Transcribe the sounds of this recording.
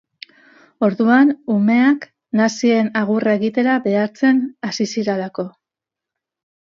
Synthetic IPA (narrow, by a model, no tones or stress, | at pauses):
o̞ɾðuanume̞ak | nasie̞naɣ̞urae̞ɣit̪e̞ɾaβe̞aɾt͡se̞nasisiɾalako̞